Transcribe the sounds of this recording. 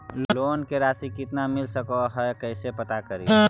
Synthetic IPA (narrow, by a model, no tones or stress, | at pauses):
llonkeɾasikɪt̪namilsəkɔɦəekəɪsepət̪akəɾi